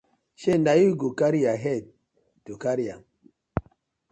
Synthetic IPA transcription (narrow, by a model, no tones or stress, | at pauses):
ʃendajiɡukaɾiaɦɛt̚ | tokaɾija